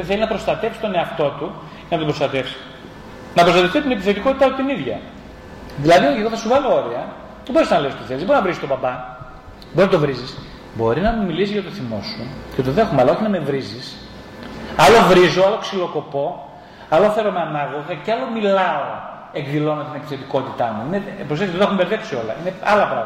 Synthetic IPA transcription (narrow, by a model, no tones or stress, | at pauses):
ðeθeliznɐpɾo̞st̪ɐt̪e̞fsi̥st̪o̞ne̞ɐft̪o̞t̪u | ʝɐnɐt̪obɾo̞st̪ɐt̪e̞fsi̥ | nɐpɾost̪ɐt̪eft̪it̪ine̞piθe̞t̪iko̞t̪it̪ɐpot̪iniðʝɐ̰ | ðilɐðieɣoθɐsuvɐlooɾiɐ | ðebo̞ɾisznɐle̞st̪oθelizðeboɾinɐvɾiksit̪obɐbɐ | boɾiznɐt̪ovɾizis | bo̞ɾinɐmmilisizʝɐt̪oθimo̞sucet̪oðe̞xomɐlɐo̞çinɐme̞vɾizis | ɐlo̞vɾizo̞ɐloksilo̞ko̞po̞ | ɐloθe̞ɾomeanɐɣo̞ɣɐceɐlomilɐoo | e̞ɡðilo̞nɐt̪ine̞pi̥θe̞t̪iko̞t̪it̪ɐmuinepɾos̬et̪ːiðxumbeɾðe̞psio̞lɐ̰ineɐlɐpɾɐ̰ɣmɐ